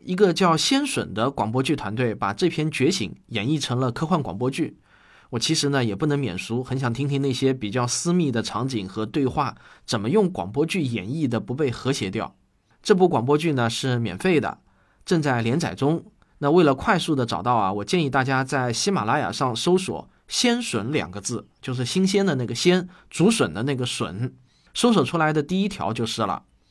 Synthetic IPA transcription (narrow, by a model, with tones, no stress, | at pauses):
i˧˥ɡə˧t͡ɕjɑ˥˩ʊɕjɛ˥nʂwə̰˨˩nd̪ə˦kwɑ˨˩ŋp̬wɔ˥t͡ɕy˥˩t̪ʰwa˧˥nt̪̬we˥˩ɪpa̰˨˩ʈ͡ʂɤ˥˧pʰjɛ˥˧nt͡ɕɥɛ˧˥t͡ɕʰḭ˧˥ŋjɛ˨˩ni˥˩ʈ͡ʂʰɤ˧˥ŋlə˧kʰɤ˥xwa˥˩nkwɑ̰˨˩ŋpwɔ˥t͡ɕy˥˩ | wɔ˨˩t͡ɕʰi˧˥ʂɻ̩˧˥nə˧jɛ˨˩pu˥˩nɤ˧˥ŋmjɛ̰˨˩nʂu˧˥xə˧˥nɕjɑ˨˩ŋt̪ʰi˥ŋt̪ʰi˥ŋn˥˩ɕjɛ˥pi˨˩t͡ɕjɑ˥˩ʊsɹ̩˥mi˥˩d̪ə˩ʈ͡ʂʰɑ˧˥ŋt͡ɕi˨˩ŋxɤ˧˥t̪we˥˧ɪxwa˥˩t͡sə˨˩nmə˦jʊ˥˩ŋkwɑ̰˨˩ŋpwɔ˥t͡ɕy˥˩jɛ˨˩ni˥˩d̪ə˩pu˧˥pe˥˩ɪxɤ˧˥ɕjɛ˧˥t̪jɑ˥˩ʊ | ʈ͡ʂɤ˥˩p̬u˥˩kwɑ˨˩ŋpwɔ˥t͡ɕy˥˩nə˩ʂɻ̩˥˩mjɛ̰˨˩nfe˥˩ɪd̪ə̰˩ | ʈ͡ʂɤ˥˧ŋt͡sa˥˩ɪljɛ˧˥nt͡sʰa̰˨˩ɪʈ͡ʂʊ˥ŋ | na˥˧we˥˩ɪlə˩kʰwa˥˧ɪsu˥˩d̪ə˩ʈ͡ʂɑ̰˨˩ʊt̪ɑ˥˩ʊɐ̰˩wɔ˨˩t͡ɕjɛ˥˧ni˥˧t̪a˥˩t͡ɕja˥t͡sa˥˩ɪɕi˥ma̰˨˩la˧˥ja̰˨˩ʂɑ˥˩ŋʂo˥ʊswɔ̰˨˩˦ | ɕjɛ˥nʂwə˧˥nljɑ̰˨˩ŋɡə˧˦t͡sɹ̩˥˩t͡ɕjo˥˧ʂ̬ɻ̩˥˩ɕi˥ŋɕjɛ˥nd̪ə˨na˥˩ɡə˩ɕjɛ˥nt͡su˧˥ʂwə˨˩nd̪ə˦na˥˩ɡə˩ʂwə̰˨˩˦n | ʂo˥ʊs̬wɔ˨˩ʈ͡ʂʰu˥la˧˥ɪd̪ə˧t̪i˥˩i˥t̪ʰjɑ̰˧˥ʊt͡ɕjo˥˧ʊʂɻ̩˥˩lə̰˩